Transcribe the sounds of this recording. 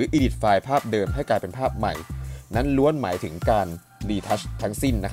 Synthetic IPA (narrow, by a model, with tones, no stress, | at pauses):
ɯː˩˦ʔiː˧di˨˩t̪̚faː˧jpʰaː˥˩p̚dɤː˧mha˥˩jklaː˧jpe˧npʰaː˥˩p̚ma̰˨˩jna˦˥nlu˦˥ənmaː˩˦jt̪ʰɯ˩˦ŋkaː˧n | liː˧t̪ʰa˦˥st̪ʰːa˦˥ŋsi˥˩nːa˦˥kʰ